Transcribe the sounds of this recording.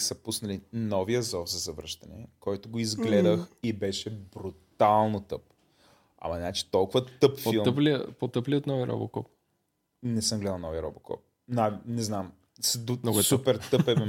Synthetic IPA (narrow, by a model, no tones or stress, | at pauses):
sɐpusnɐlinɔviəzɔfzɐzɐvɾəʃt̪ɐnɛ̰kɔjt̪oɡoizɡlɛd̪əxibɛʃɛbɾut̪alˠnot̪ɤp̚ | ɐ̰mɐnat͡ʃi̥t̪ɔlˠkʊvɐtt̪ɤpfpoilˠəplipot̪əpliot̪nɔviəɾʔɔ̰bo̰kɔ̰p̚ | nɛsəmɡlɛd̪əlˠnɔvijəɾɔ̰bokɔ̰p̚ | nanɛznam | sd̪unoɡɛsupɛɾt̪ɤpɛɛ